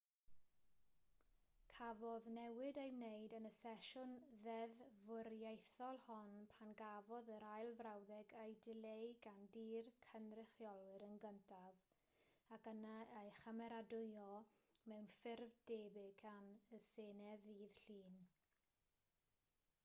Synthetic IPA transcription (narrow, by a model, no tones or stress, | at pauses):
kʰavɔðnɛwɨdejmnejdənəsɛʃʊnðɛðvʊrjejθɔlˠhɔnpʰanɡavɔðəɾajlˠvrawðɛɡejdɪlejɡandiːrkʰənrɪχjɔlˠɨɾənɡəntʰað | akənaejχəmɛɾadʊjɔmɛwnfɪrvdeːbɪkʰanəseːnɛðiːð̥ɬiːn